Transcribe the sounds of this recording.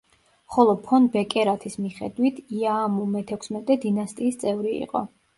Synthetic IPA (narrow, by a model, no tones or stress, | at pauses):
χɔlˠɔpʰɔnbɛkʼɛɾat̪ʰismiχɛ̰d̪wit̪ʰiaːmumɛt̪ʰɛkʷʰsmɛt̪ʼɛd̪inast̪ʼiːst̪sʼɛvɾiḭqʼɔ̰